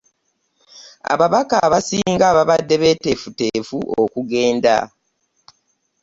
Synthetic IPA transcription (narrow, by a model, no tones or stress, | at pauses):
a̰βaβakaβasiːŋɡaːβaβadːe̞βe̞ːte̞futeːfuʔokuɡe̞ːnda̰